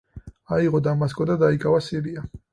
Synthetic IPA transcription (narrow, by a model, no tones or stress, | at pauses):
aiʁɔd̪amas̬kʼɔd̪ad̪aikʼavasiɾia